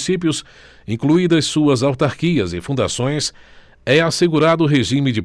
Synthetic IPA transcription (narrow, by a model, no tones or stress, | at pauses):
sip̬jʊs | ĩkluid̪ɐssuɐzawt̪aɾkiɐzɪ̰fũnd̪a̰sõj̃s | ɛaseɡuɾad̪ʊːɦeʒĩmɪd͡ʒɪ